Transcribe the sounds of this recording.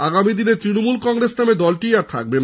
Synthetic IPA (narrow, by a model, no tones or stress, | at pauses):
aɡamid̪inet̪ɾinomulkɔŋɾesnamed̪ɔlʈiaɾt̪ʰa̰k̚ben